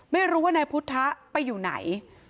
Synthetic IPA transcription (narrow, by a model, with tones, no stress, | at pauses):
ma˥˩jɾuː˦˥wa˥˩naː˧jpʰu˦˥t̪ʰːa˦˥ʔpa˧jːuː˨˩na̰˩˦j